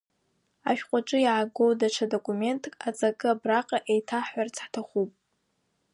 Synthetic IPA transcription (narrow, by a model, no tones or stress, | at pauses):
a̰ʃᶣqʷʼaʈ͡ʂʼɨjaʕaɡo̞wdaʈ͡ʂʰadokʼume̞ntʰʼkʼat͡sʼakʼɨabraqʼaʔejtʰaħart͡sʰħtʰaχupʼ